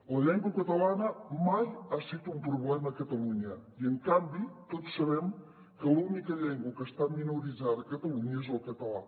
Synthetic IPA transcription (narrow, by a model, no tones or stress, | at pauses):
ləʎɛŋɡwəkət̪əlanəmajasit̪umpɾuβlɛməkət̪əluɲəiəŋkambit̪ot̪usːəβɛm | kəlunikəʎɛŋɡwəkəst̪aminuɾizaðəkət̪əluɲəezəlˠkət̪əla̰